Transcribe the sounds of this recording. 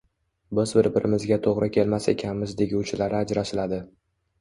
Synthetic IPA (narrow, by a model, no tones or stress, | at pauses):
bɪzbɪɾbɪɾʔɪmɪzɡʲat̪ʰoʁɾʔɪkʲʰe̞lmase̞̰kʲʰanmɪzd̪eɡʲut͡ʃʰɪlaɾɪad͡ʒɾaʃɪlad̪ɪ